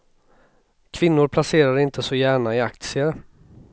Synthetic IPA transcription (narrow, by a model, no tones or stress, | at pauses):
kʰv̥ɪnːʊɾpʰlaseːɾaɾɪnt̪ʰəsɔjæːɳaɪak̚t̪sɪə